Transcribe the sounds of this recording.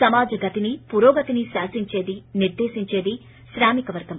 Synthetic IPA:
sɐmaːd͡ʒɐɡɐt̪inipuɾoːɡɐt̪iniʃaːsiɲt͡ʃe̞ːd̪iniɾd̪eːʃiɲt͡ʃe̞ːd̪i | ʃɾaːmikɐʋɐɾɡɐm

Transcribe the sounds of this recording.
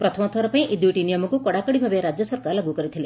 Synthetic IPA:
pɾɔt̪ʰɔmɔt̪ʰɔɾɔpaĩʔid̪juʈinijɔmɔkukɔɽakɔɽibʱabjeɾad͡ʒjɔsɔɾkaɾlaɡukɔɾit̪ʰile

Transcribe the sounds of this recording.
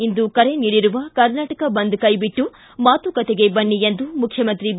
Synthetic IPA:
ind̪ukɐɾe̞niːɽiɾuʋɐkɐɾnaːʈɐkɐbɐnd̪ukɐjbiʈːu | maːt̪ukɐt̪eɡe̞bɐɳːiend̪umukʰːjɐmɐnt̪ɾi

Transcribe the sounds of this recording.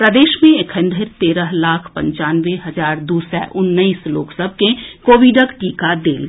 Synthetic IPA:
pɾəd̪eːʃmẽɪkʰə̃nd̪ʱəɾt̪eːɾəɦlaːkʰpə̰̃ɲt͡ʃaːnʋeɦɐd͡ʒaːɾd̪uːsɛ̰ʔʊnːəislo̰ːksəb̚ʱkẽkoːʋiɖəkʈiːkad̪eːl

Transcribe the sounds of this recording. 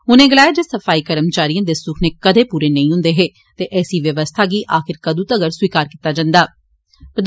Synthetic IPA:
ʊnẽːɡɪlaːjaːd͡ʒeːsəfaːiːkəɾəmt͡ʃaːɾijãːd̪eːsʊkʰneːkəd̪eːpuːɾeːnəĩːɦʊ̃nd̪eːɦeː | t̪eːʔɛːsiːʋjəʋəst̪ʰaːɡiːʔaːxɪɾkəd̪ũt̪əɡəɾswiːkaːɾkiːt̪aːd͡ʒãːnd̪aː | pɾəd̪

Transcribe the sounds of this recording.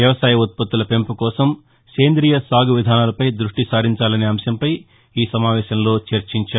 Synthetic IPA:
jɐʋɐsaːjɐot̪̚pɐt̪ːulɐpe̞mpukɔːsɐm | ke̞ːnd̪ɾiːjɐsaːɡuʋid̪ʱaːnaːlɐpɐjd̪ɾuʂʈisaːɾiɲt͡ʃaːlɐneːɐmsjɐmpɐj | iːsɐmaːʋɛːʃɐmlo̞ːt͡ʃɐɾt͡ʃiɲt͡ʃaː

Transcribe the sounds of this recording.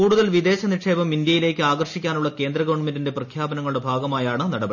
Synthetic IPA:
uːɽuðɐlʋid̪e̞ːɕɐniʈʂe̞ːbɐmind̪jɐjile̞ːkːɨaːɡɐrʂikʲːaːnuɭːɐke̞ːnd̪rɐɣɐʋɐɳmendinde̞prɐkʰjaːbɐnɐŋːɐɭuɽe̞bʱaːɡɐmaːjaːɳɨnɐɽɐbɐ

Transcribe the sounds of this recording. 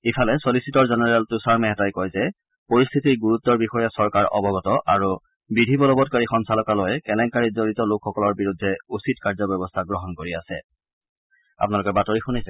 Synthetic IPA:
ifʰalɛsolisitɔɹzɛnɛɹɛltusaɹmɛɦɛtajkɔjzɛ | poɹist̪ʰitiɹɡuɹut̪ːɔɹbixɔjasɔɹkaɹʔɔ̰bɔɡɔtɔʔaɹu | bidʱibɔlɔbɔt̚kaɹixɔnsalɔkalojkɛlɛŋkaɹizoɹitɔlokʰːɔkɔlɔɹbiɹudʱːɛusitkaɹzɔbɛbɔstʰaɡɹɔɦɔnkoɹiasɛ̰ | a̰pnalʊkɛbatɔɹixunajsɛ

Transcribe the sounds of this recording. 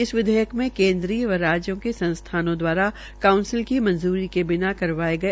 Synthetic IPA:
ɪsʋɪd̪ʱəjəkmẽkẽːnd̪ɾiːjəʋɐɾaːd͡ʒjõkesɐ̃nst̪ʰaːnõd̪waːɾa | kaːʊ̃nsɪlkimɐ̃nzuːɾikebɪnakɐɾʋaːeɡɐe

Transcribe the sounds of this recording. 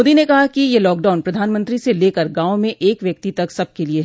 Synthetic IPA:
d̪inekɐɦakijelɔːk̚ɖaːʊnpɾɐd̪ʱaːnmə̃nt̪ɾiseleːkəɾɡãːomẽʔeːkʋjɐk̚t̪it̪ɐksɐb̚kelie

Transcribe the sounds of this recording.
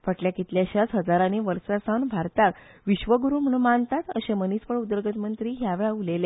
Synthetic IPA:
fəʈljakit̪ljaɕat͡sɦəd͡zaɾaniʋəɾsasanbʱaɾt̪ak | ʋiɕʋəɡuɾuːm̤əɽũmant̪at̪əɕemənispəɭud̪əɾɡət̪mənt̪ɾiːɦjaʋeɭaulele

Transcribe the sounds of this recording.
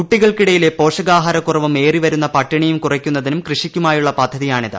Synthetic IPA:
kuʈːiɣɐɭkiɽɐjile̞po̞ːʂɐɣaːɦɐɾɐkːurɐʋume̞ːriʋɐɾunːɐpɐʈːɐɳijumkurɐkʲːunːɐðinumkrɨʂikʲːumaːjuɭːɐpɐd̪ʱːɐðijaːɳiðɨ̰

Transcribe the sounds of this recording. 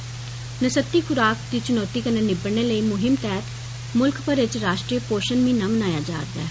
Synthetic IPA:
nəsət̪ːiːkʊɾaːkd̪iːt͡ʃʊnɔːt̪iːkənenɪbəɽneːləiːmʊɦɪmt̪ɛːt̪ | mʊlkpəɾɪt͡ʃɾaːʃʈɾiːəpoːʃənmĩːnamənaːjaːd͡ʒa̰ːɾd̪a̰ː

